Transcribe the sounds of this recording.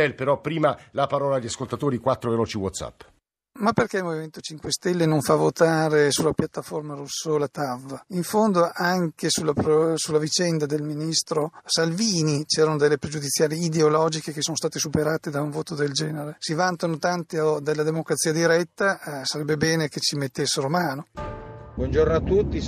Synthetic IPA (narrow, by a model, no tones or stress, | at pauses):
ɛlpeɾɔpːɾiːmalapaɾɔːlaːʎːaskolt̪at̪oːɾikwat̪ːɾovelɔːt͡ʃiwɔ̰t̪sa̰pː | mapːerkɛilmoviment̪ot͡ʃiŋkwest̪ɛlːenoɱfavːot̪aːɾesulːapjat̪ːaformaɾusːolat̪avːiɱfond̪oʔaŋkesulapɾsulːavit͡ʃɛnd̪ad̪elminist̪ɾosalviːnit͡ʃɛːɾanod̪elːepɾed͡ʒud̪it̪sːjaːɾiːd̪eolɔːd͡ʒikekesːoːnost̪aːt̪esupeɾaːt̪ed̪auɱvoːt̪od̪eld͡ʒɛːneɾesivant̪anot̪ant̪iod̪elːad̪emokɾat̪siːad̪iɾɛt̪ːasaɾɛbːebɛːneket͡ʃimet̪ːesːeɾomaːnobwɔnd͡ʒornoat̪ːut̪ːi